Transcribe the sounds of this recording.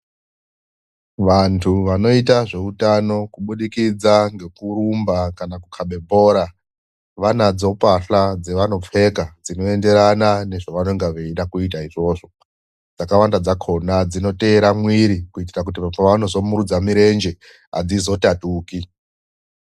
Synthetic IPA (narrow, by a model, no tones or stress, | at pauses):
ʋantʰuʋano̞itaʐe̞utano̞kuɓuɗikid͡zaŋɡe̞kuɾumbakanakukʰaɓe̞bʱo̞ːɾa | ʋanad͡zo̞paɬad͡ze̞ʋano̞p͡fe̞kad͡zino̞e̞nde̞ɾanane̞ʐaʋano̞ŋɡeʋeiɗakuitaiʐo̞ːʐo̞ | d͡zakawandad͡zakʰo̞nad͡zino̞te̞ːɾamwiɾikuit̬irak̬ut̬ipapaʋano̞zo̞muɾud͡zamiɾe̞nd͡ʒe̞ | a̰d͡zizo̞tatuːki